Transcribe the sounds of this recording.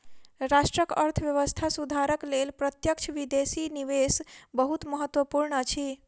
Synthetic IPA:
ɾasʈɾəkəɾt̪ʰəʋjəʋəst̪ʰasud̪ʱaɾəklelpɾət̪jək̚t͡ʃʰʋid̪esiniʋesbəɦut̪məɦət̪ːwəpuɾɳət͡ʃʰi

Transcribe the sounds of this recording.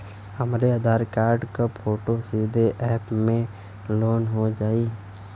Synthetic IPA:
həmɾeəd̪ʱaːɾkaːɾɖkapʰoːʈosiːd̪ʱeʔɛːpmẽ | loːnɦod͡ʒaːi

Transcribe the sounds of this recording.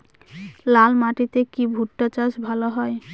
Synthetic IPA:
lalmaʈit̪ekibʱuʈːat͡ɕaʃbʱaloɦɔe

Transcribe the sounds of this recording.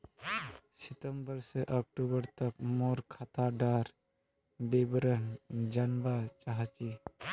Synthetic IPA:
sɪt̪əmbəɾseʔɔːk̚ʈubəɾt̪ək̚moːɾkʰat̪aɖaːɾ | bebəɾənd͡ʒanbat͡ʃaɦat͡ʃi

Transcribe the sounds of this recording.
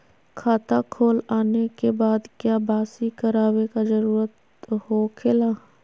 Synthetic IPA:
kʰaːt̪akʰoːlaːnekebaːd̪kjaːbaːsikəɾaːwekazəɾuːɾət̪ | hoːkʰelaː

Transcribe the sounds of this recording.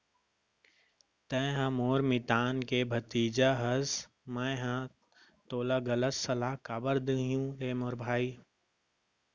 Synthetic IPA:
t̪ɛ̃ɦãmoːɾmɪt̪aːnkebʱɐt̪iːd͡ʒaɦɐs | mɛ̃ːɦã | t̪oːlaɡɐlət̪sɐlaːkaːbəɾd̪əɦjũɾeːmoːɾbʱaːi

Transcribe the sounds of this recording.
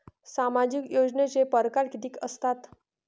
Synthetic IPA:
samad͡ʑikjod͡ʑnet͡sepəɾkaɾkit̪iːkəst̪at̪

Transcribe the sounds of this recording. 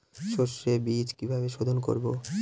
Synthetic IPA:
ʃoɾʃebit͡ɕkibʱabeʃod̪ʱonko̰ɾbo

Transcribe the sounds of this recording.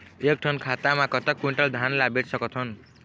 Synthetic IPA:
ek̚ʈʰʌnkʰat̪amakʌt̪ʌkːiɳʈʌld̪ʱanlabeʈsʌkʌt̪ʰʌn

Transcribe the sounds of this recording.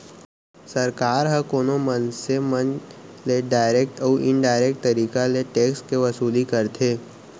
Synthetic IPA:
sɐɾkaːɾɦə̃koːnomənsemənleɖaːɪɾeːk̚ʈɔːʔɪ̃ɳɖaːɪɾeːk̚ʈ̚t̪ɐɾiːkaleʈeːkskeʋɐsuːlikɐɾt̪ʰeː

